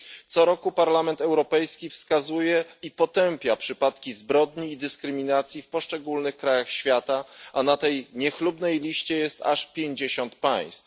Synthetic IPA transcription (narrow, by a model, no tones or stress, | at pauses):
t̪sɔɾɔkupaɾlamɛnt̪ɛwɾɔpɛjskʲifskazujɛipɔt̪ɛmpʲjapʂɘpat̪kʲizbɾɔd̪ɲiːd̪ɘskɾɘmʲinat̪sʲjifpɔʂt͡ʂɛɡulnɘxkɾajaxɕfʲjat̪aʔanat̪ɛjɲɛxlubnɛjlʲiɕt͡ɕɛjɛst̪a̰ʂpʲjeɲd͡ʑeɕɔnt̪paj̃st̪f